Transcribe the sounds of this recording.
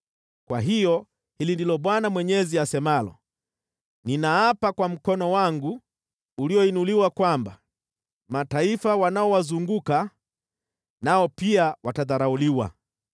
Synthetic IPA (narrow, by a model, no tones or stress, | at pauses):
kwaɦijɔ | hilindilɔɓwanamwɛɲɛziasɛmalɔ̰ | ninaapakwam̩kɔnɔwaŋɡuː | liɔinuliwakwamba | mataifawanaɔwazuŋɡuka | naɔpiawataðaɾauliwa̰